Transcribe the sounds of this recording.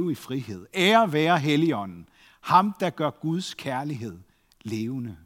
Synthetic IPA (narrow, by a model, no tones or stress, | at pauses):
ʊifʁiɦe̝ð̰ˠeɐʋæːɐɦeliɒ̽n̰n̩ | hɑ̈md̥ɑ̈ɡ̥ɶɐ̰ɡ̥uð̞ˠskʰæɐliɦe̝ð̞̰ˠ | le̝ːʊnə